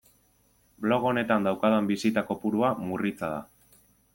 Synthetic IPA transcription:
blo̞ɣo̞ne̞t̪and̪awkaðambisit̪ako̞puɾuamurit͡saða̰

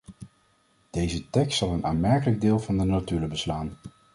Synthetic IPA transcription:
d̥ejzətɛkstsɑlˠənaːnmɛɹkələɡ̚dɪːlˠvɑndənatyːrəbəslaːn

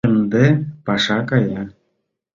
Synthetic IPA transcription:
ĕnd̪epɑʃɑkɑjɑ

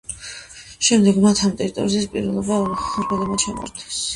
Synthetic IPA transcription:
ʃɛmd̪ɛɡmat̪ʰamt̪ʼɛɾit̪ʼɔ̰ɾizispʼiɾvɛlˠɔbaχɔɾkʰɛlˠɛmat͡ʃʰamɔ̰ɾd̪ʰɛ̥s

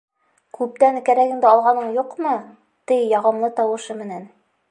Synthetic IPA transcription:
kʉp̚t̪æŋkæɾæɡɘ̆nd̪ɘɑlˠʁɑnɤɴjuqmɤ | t̪ɘjjɑʁɤ̆mlˠɤt̪ɑwɤ̆ʃɤmɘ̆næn

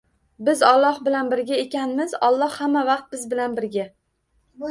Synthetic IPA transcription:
bɪzɒlˠːɒhbɪlanbɪɾɡʲaekʲanmɪzɒlˠːɒhhamːavɑqt̪̚bɪzbɪlanbɪɾɡʲa

